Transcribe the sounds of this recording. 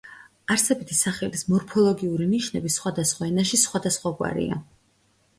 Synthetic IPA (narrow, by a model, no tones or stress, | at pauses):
aɾsɛbit̪ʰisaχɛlismɔɾpʰɔlˠɔɡiuɾiniʃnɛbisχwad̪asχwaɛnaʃisχwad̪asχwaɡwa̰ɾḭa̰